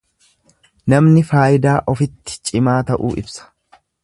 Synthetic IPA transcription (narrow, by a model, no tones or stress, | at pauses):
nɐmnɪfaːjɪd̪aːʔɔfɪt̪ːɪ̥t͡ʃʼɪmaːt̪ɐʔuːʔɪ̰bsɐ̥